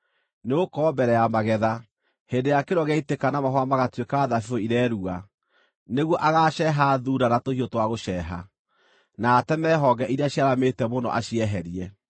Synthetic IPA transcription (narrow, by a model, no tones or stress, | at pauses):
neokɔːbɛɾɛjamaɣɛða | hendejakeɾɔɣɛitekanamaɦɔamaɣatwekaːðafioiɾɛɾua | neɣwɔʔaɣaʃɛɦaðuɾanatohiotwaɣoʃɛɦa̰ | naːtɛmɛɦɔɡɛʔiɾaɕiaɾametɛmonɔ̰ʔa̰ɕiɛɦɛɾiɛ